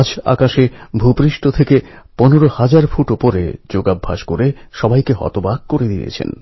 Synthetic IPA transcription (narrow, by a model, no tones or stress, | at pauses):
d͡ʑa̰kaʃebʱupɾiʃʈot̪ʰekeponeɾohad͡ʑaɾfuʈopoɾḛd͡ʑoɡabʱːa̰ʃkoɾeʃɔbajkeɦɔ̰t̪obaɡ̚koɾed̪ḭḛt͡ɕʰḛn